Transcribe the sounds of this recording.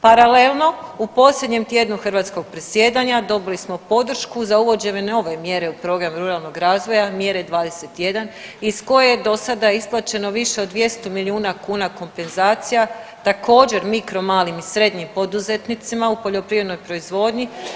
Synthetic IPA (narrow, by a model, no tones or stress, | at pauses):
paɾalelˠno̞upo̞ːslʎʲe̞d̪ɲe̞mt̪jed̪nuxr̩ʋaːt̪sko̞ɡ̚pɾe̞sje̞ːd̪aɲad̪o̞bilismo̞po̞d̪r̩ʃkuzauʋo̞d͡ʑe̞ʋe̞no̞ʋe̞mje̞ɾe̞upɾo̞ɡɾamɾuɾalˠno̞ɡɾaːzʋo̞jamje̞ɾed̪ʋaːd̪e̞se̞t̪je̞d̪anisko̞jejed̪o̞sad̪aisplˠat͡ʃe̞no̞ʋiʃe̞od̪ʋje̞st̪omilʲiuːnakuːnako̞mpe̞nzaːt̪sijat̪akʰo̞ːd͡ʑe̞ɾmikɾo̞maːlimisɾe̞d̪ɲimpo̞d̪uze̞t̪nit̪simaupo̞ʎo̞pɾiʋɾe̞d̪no̞jpɾo̞izʋo̞ːd̪ɲi